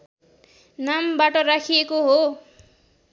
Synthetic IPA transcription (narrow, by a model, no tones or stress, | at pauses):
nambaʈʌɾakʰijekoɦo